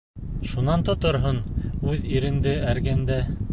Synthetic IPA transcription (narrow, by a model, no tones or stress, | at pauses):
ʃunɑnt̪ŏt̪ŏɾɦonʉðiɾɘ̆nd̪ɘæɾɡænd̪æ